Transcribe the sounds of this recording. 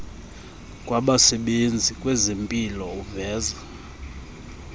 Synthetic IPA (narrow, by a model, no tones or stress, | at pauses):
kʼwaɓasɛɓend͡zʱikʼwɛzempʼilɔuvɛːza